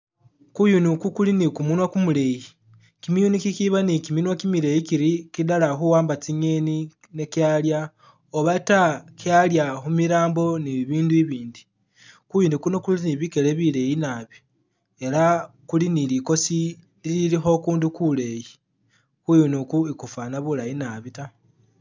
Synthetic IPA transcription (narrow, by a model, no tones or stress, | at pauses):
kujunukukulinikumunwakumule̞ji | kimijunikikiβanikiminwakimiɾe̞jikiɾikidalaxuwaːmbat͡siɲe̞ni | nekjalja | oβatakjaljaxumiɾaːmbo̞niβiːnduiβiːndi | kujiːndikunokuliniβikeleβile̞jinaβjo̥ | e̞ɾa | kuliniliko̞si | lililixo̞kuːndukule̞ji | kujunukuikufanaβulajinaβita